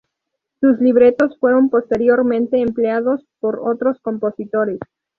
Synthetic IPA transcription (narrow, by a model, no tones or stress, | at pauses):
suzliβɾe̞t̪o̞sfwe̞ɾo̞mpo̞st̪e̞ɾjo̞ɾmẽnt̪e̞ːmpleaðo̞spo̞ɾo̰t̪ɾo̞sko̞mpo̞sit̪o̞ɾes